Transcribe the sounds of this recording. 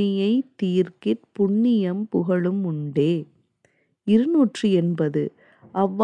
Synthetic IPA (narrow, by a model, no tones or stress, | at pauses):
ɪjɐɪt̪ːiːrkɪʈpʊɳːɪjɐmpʊɣɐɭɯmʊɳɖeː | ɪɾɯnuːʈrɯɛnbɐðɯ | ʔɐʋː